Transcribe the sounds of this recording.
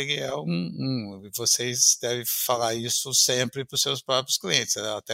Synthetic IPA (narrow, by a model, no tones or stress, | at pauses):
eɡɪɛũũɪvosezd̪ɛvɪ̃falaɾisʊsẽmpɾɪpɾʊsewspɾɔpɾjʊskliẽnt̪ɪsɛat̪ɛ